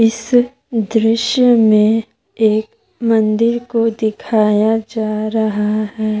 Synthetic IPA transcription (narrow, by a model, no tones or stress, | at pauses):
ɪs | d̪ɾɪʃjəmẽ | eːk | mɐ̃nd̪ɪɾkod̪ɪkʰaːjad͡ʒaːɾɐɦaɦɛː